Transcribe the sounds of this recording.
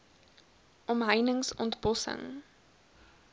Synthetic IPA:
ʔɔmɦəjnəŋsɔ̰ntbɔsə̰ŋ

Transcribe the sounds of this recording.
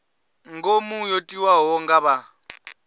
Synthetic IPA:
ŋɡomujotʼiwaɦɔŋɡaβa

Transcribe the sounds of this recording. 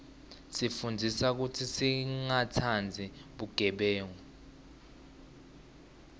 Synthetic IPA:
sifundʱisak̬utʰisiŋatʰand͡zʱiɓuɡ̥ʱɛɓɛːŋɔ

